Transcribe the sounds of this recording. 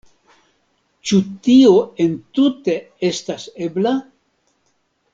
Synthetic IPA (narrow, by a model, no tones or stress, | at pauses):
t͡ʃut̪ioent̪ut̪e | estasebla